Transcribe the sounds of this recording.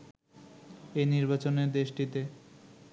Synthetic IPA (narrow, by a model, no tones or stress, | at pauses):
eniɾbat͡ɕoneɾd̪eʃʈit̪e